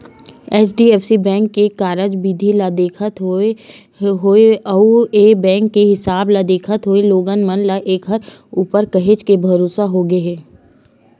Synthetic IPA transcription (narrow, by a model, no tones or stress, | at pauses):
ɛːt͡ʃʰɖiːɛːfʰsibɛ̃ːŋkːekaːɾəd͡ʒbid̪ʱilad̪eːkʰət̪ɦo | ɦoeɐueːbɛ̃ːŋkːeɦɪsaːblad̪eːkʰət̪ɦoeloːɡənmənlaʔeːkʰɦəɾ | uːpəɾkɐɦet͡ʃkebʱɐɾoːsaɦoɡəɦɛː